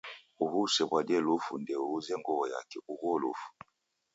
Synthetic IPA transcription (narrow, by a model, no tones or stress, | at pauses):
uhusɛbwadɛlufṵndɛuuzɛŋɡɔβɔja̰kɛuɣɔlṵfu̥